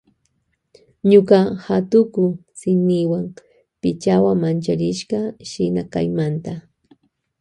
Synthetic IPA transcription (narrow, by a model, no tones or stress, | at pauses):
ɲokɑhat̪ʊkʊsɪniwaŋ | pɪt͡ʃawamant͡ʃaɾɪʃɢɑʃɪnaka̰jmant̪a